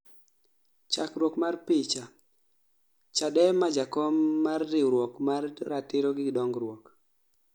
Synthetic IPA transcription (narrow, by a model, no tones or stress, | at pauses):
t͡ʃakɾwɔkmarpɪt͡ʃa | t͡ʃaɗɛmad͡ʒakɔmːarːɪɾwɔkmarːatɪɾɔɡɪdɔŋɡɾwɔk